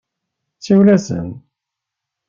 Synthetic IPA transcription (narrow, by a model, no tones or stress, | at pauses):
t͡sːiwlæsə̰n